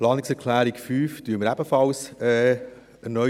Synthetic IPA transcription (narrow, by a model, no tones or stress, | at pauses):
plɑːnɪksɛɾkʰlæːɾikfyːftyənməɾæb̥əfɑlsɛː | ənœ